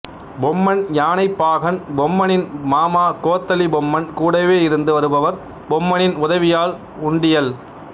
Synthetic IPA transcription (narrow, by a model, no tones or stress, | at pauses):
bɔmːɐnjaːnɐɪpːaːɣɐnbɔmːɐnɪnmaːmaːkoːt̪ːɐlibɔmːɐnkuːɽɐʋeːɪɾɯnd̪ɯʋɐɾɯbɐʋɐɾ | bɔmːɐnɪnʊðɐʋɪjaːl | ʊɳɖɪjɐl